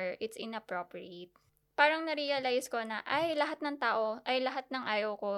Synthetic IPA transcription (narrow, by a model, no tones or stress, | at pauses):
ɹʔɪt̪sʔɪnɐpɾopɹiet̪̚ | paːɾɐŋnɐɾijɐlajskonɐʔɐjlɐɦat̪̚nɐŋt̪aːʔo̞ʔɐjlɐɦat̪̚nɐŋʔaːjɐwko̞